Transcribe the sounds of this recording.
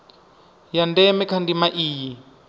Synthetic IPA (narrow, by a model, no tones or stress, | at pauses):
jandɛmɛkʰandimaʔiːji